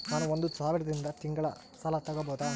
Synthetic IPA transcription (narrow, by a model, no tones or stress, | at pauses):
naːnuond̪usaːʋiɾɐd̪ɾind̪ɐt̪iŋɡɐɭɐ̰ | sɐlɐt̪ɐɡɐboːd̪aː